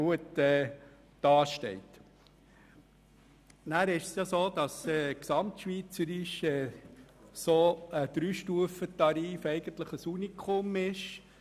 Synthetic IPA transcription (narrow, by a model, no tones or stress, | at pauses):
uətɛː | d̥ɑːʃtɛ̰ɪt | næːɾɪʃəsjɑsoːd̥̪ɑsɛːksɑmtʃʋiːt͡səɾiʃɛ | sod̪̥ɾyːʃtuəfət̪ɑɾiːfɛɪɡ̥ənt̪ləχəsunikʰomɪʃ